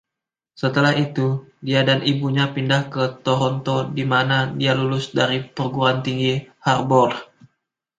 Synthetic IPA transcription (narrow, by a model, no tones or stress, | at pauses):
sət̪əlahit̪udiadanʔibuɲapindahkət̪oɾɔnt̪odimanadialulʊsdaɾipərɡuɾant̪iŋɡiharbɔr